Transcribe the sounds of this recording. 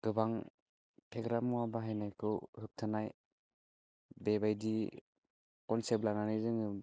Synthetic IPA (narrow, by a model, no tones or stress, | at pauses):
ɡ̥ɯbaŋ | pʰeɡɾamuwabaɦajnajkʰɯwhɯk̚tʰanaj | bebajdi | kɔnsep̚lananɯjzɯŋɯ